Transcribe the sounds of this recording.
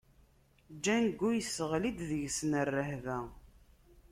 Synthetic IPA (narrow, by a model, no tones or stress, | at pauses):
d͡ʒːænɡːujəsːəʁlid̪ðəʝsnərːəhvæ